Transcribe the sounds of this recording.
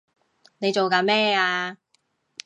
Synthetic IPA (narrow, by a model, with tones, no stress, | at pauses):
ne˨˧jt͡ʃo˨wkaː˧mɛː˥aː˧